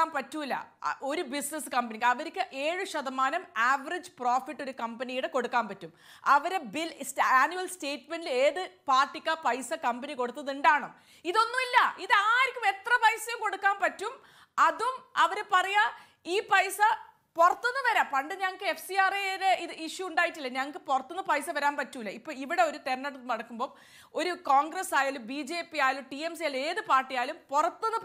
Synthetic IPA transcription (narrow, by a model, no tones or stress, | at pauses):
aːnpɐtːuilːɐ̰ʔo̞ɾubisneskɐmbɐnikʲːɐʋɐɾikʲːɨʔe̞ːɻuɕɐðɐmaːnɐmaːʋɐrid͡ʑproːfiʈːo̞ɾukɐmbɐnijuɽeko̞ɽukːaːmpɐtːum | ɐʋɐɾebilsaːnjuʋɐlste̞ːtme̞ɳɖileːðɨpaːʈːikʲːɐpɐjsɐkɐmbɐniko̞ɽut̪ːɐðuɳɖaːɳo | iðo̞nːumilːɐiðɨaːiɾikʲːume̞t̪rɐpɐjsɐjumko̞ɽukːaːnpɐtːum | ɐðumɐʋɐɾepɐrɐja | iːpɐjsɐ | porɐt̪ːunːɨʋɐɾaːmpɐɳɖɨɲɐŋːɐkːɨefsijaːreneiɨiʂuuɳɖaːjitːilːɐɲɐŋːɐk̬ːɨporɐt̪ːunːɐpɐjsɐʋɐɾaːnpɐtːumilːɐipːoːɭiʋiɽe̞o̞ɾut̪enːɐʈːunnɐɽɐkːumbo̞ː | o̞ɾukoːŋɡresaːjaːlumbiːd͡ʑeːpːijaːlumʈiemsijaːle̞ːðɨpaːrʈːijaːlumporɐt̪ːunːup